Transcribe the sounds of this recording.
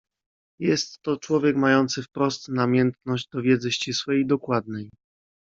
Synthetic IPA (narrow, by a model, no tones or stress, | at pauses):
jɛst̪ːɔt͡ʂwɔvʲjɛkmajɔnt̪sɘfpɾɔst̪namʲjɛnt̪nɔʑd͡ʑd̪ɔvʲjɛd̪zɘɕt͡ɕiswɛjid̪ɔkwad̪̚nɛj